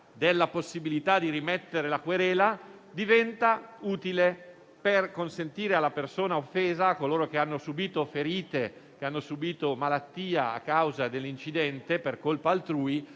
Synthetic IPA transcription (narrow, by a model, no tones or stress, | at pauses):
d̪elːaposːibilit̪ad̪iɾimɛt̪ːeɾelakweɾɛːla | d̪ivɛnt̪auːt̪ile | perkonsent̪iːɾealːapersoːnaofːeːzaːkːoloːɾok̟eanːosubiːt̪ofeɾiːt̪e | k̟eanːosubiːt̪omalat̪ːiːaa̰kːawzad̪elːint͡ʃid̪ɛnt̪eperkolpaːlt̪ɾuːi